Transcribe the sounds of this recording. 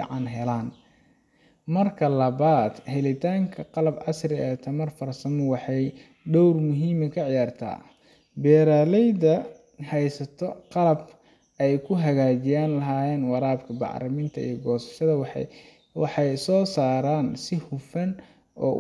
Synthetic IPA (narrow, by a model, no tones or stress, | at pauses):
ḭʕɑnɦɛlaːn | mɐrkʰɐlɐβaːd̪hɛlɪt̪ʰaːŋkʰɐqɑlɐbʕɑ̰srɪɛːt̪ʰɐmɐrfɐrsɐmɔwɑħɑj | ɖɔwrmʊɦiːmɐkʰɐʕɪjaːrt̪ʰa̰ː | bɛːɾaːlɛjdɐ | hɛjsɐt̪ʰɔqɑlɐb | ɛjkʰʊɦɐɣaːt͡ʃɪjaːnlɐɦaːjɛːnwɑɾaːbkʰɐbɑ̰ʕɾɐmɪnt̪ʰɐḭjɔɡɔːsɐ̥ʃɐðɐ | wɑħɑjsɔːsaːɾaːnsɪhʊfɐn | ɔ̰ː